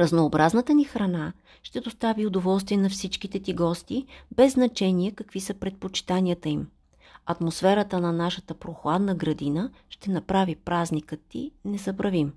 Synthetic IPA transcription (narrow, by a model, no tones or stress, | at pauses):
ɾɐznoːbɾaznət̪ənixɾɐna | ʃt̪ɛd̪ost̪aviod̪ovɔlˠst̪viɛnɐfsit͡ʃk̟it̪ɛt̪iɡɔst̪ibɛzːnɐt͡ʃɛnʲiɛkɐkvisəpɾɛt̪̚pot͡ʃi̥t̪aniət̪əim | ɐt̪mosfɛɾət̪ənɐnaʃət̪əpɾoxlˠad̪nəɡɾɐd̪inəʃt̪ɛnɐpɾavipɾaznikət̪ːinɛzɐbɾɐvim